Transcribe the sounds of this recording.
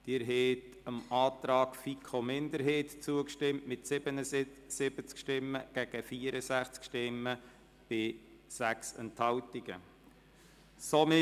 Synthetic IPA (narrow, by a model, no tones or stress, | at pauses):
d̥ɪːɾɦeːt | əmɑːtɾɑːkfikʰomɪnd̪əɾɦeːtt͡suəkʃtɪmtmɪtsɪbənəsɪb̥ət͡skʃtɪmːəɡ̥ɛɡ̥əfiəɾəsæχt͡skʃtɪmːə | b̥ɪ | sæksɛnthɑwtiɡ̥ə̰ | somɪ